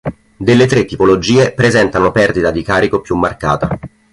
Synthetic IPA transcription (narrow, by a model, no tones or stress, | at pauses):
d̪elːet̪ɾet̪ːipolod͡ʒiːepɾezɛnt̪anopɛrd̪it̪ad̪ikaːɾikopjumːarka̰ːt̪a